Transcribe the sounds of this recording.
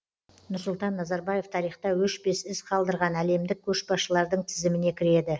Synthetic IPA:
nʊɾsʊlˠt̪ɑnːɑzɑɾbɑje̞ft̪ʰɑɾijχt̪ɑwɵʃbe̞sɪsqʰɑlˠd̪əɾʁɑnæle̞md̪ɪk̚kʲʰːɵʃbɑsʃəlˠɑɾd̪əɴt̪ʰɪzɪmɪne̞kʲʰɪɾe̞d̪ɪ

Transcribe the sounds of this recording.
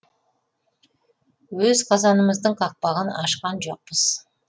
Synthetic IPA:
wɵzqʰɑzɑnəməzd̪əɴqʰɑq̚pɑʁənɑʃqɑnʒo̰q̚pəz̥

